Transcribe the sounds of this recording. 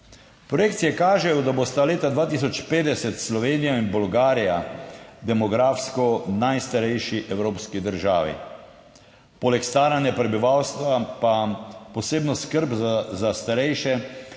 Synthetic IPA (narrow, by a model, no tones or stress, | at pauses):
pɾɔjeːkt̪siɛkaːʒɛjɔd̪abost̪aleːt̪ad̪ʋaːt̪iːs̬ɔt͡ʃpeːd̪ɛsɛt̪slɔʋeːnijainbɔlɡaːɾijad̪ɛmɔɡɾaːfskɔnajst̪aɾɛjʃiʔɛwɾoːpskid̪əɾʒaːʋḭ | poːlɛkst̪aːɾanjapɾɛbiʋawst̪ʋapapɔseːbnɔskəɾbzazast̪aɾɛjʃɛ